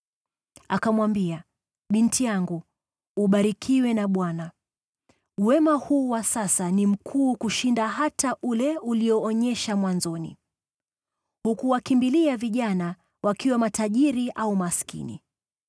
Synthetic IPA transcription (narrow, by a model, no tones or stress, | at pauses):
a̰kamwambia | ɓintijaŋɡuː | ɓaɾikʰiwɛnaɓwana | wɛmahuːwasasanim̩kʰuːkuʃindaɦataʔulɛuliɔːɲɛʃamwanzɔnḭ | hukuwakimbiliaviʄana | wʔakiwamataʄiɾiʔaumaskḭnḭ